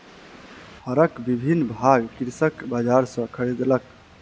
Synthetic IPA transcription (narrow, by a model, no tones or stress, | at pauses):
həɾəkbibʱinːbʱaɡkiɾsəkbad͡ʒaɾsɔ̃kʰəɾid̪lək